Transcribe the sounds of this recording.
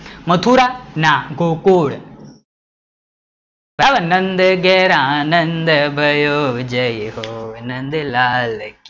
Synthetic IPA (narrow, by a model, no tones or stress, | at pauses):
mɐt̪ʰuːɾanaɡokoːɽ | baʋɐnɐnd̪ɐɡeɾãːnɐnd̪ɐbʱɐjoːd͡ʒɐjɦonɐnd̪laːlɐki